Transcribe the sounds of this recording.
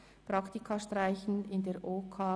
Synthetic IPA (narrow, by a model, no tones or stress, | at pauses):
pɾɑktikʰaʃtraɪçn̩ɪndeːʔoːkʰaː